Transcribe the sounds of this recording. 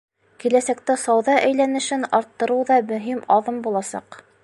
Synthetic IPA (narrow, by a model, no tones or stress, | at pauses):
kilæsæk̚t̪æsɑwðɑʔæjlænɘ̆ʃɘnɑɾt̪ːɤ̆ɾɤwðɑmɵ̆ɦimɑðɤmbulˠɑsɑ̰q